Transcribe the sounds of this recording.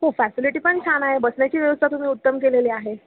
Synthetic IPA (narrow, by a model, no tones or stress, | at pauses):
ɦofæsiliʈiːpəɳt͡ɕʰanaɦebəsɳjat͡ɕiːʋjəʋəst̪ʰat̪um̤iːut̪ːəmkeleliːaɦe